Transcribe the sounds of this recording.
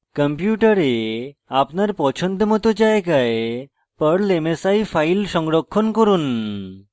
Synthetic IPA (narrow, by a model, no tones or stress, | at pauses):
kəmpjuʈəɾeapnaɾpɔt͡ɕʰənd̪mɔt̪od͡ʑajkae | pəɽlemesaifʰailsɔŋɡɽɔkʰːɔnkɔɾuːn